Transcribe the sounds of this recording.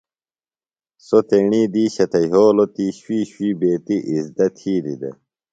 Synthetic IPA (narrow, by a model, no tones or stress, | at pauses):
sot̪eɳiːd̪iːɕɐt̪ɐjɦoːlot̪iːɕwiːɕwiːbeːt̪iʔizd̪ɐt̪ʰiːd̪id̪ḛ